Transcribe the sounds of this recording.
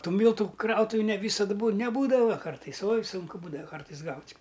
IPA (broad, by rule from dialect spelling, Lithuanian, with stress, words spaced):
ˈtuː ˈmʲiːlˠtʊ ˈkrɐʊtʊʋʲɪ nʲɛ ˈʋʲiːsɐt buː nʲɛˈbuːdɐʋɐ ˈkɐrtɐɪs oːj ˈsʊŋkʊ ˈbuːdɐʋɐ ˈkɐrtɐɪs ˈɡɐʊtʲ